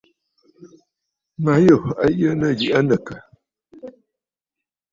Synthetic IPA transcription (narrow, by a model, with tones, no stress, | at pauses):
ma˨˦jo˦˨a̰˦jə˦nə˦˨ɡi˨ʔa˦nə˨kə˨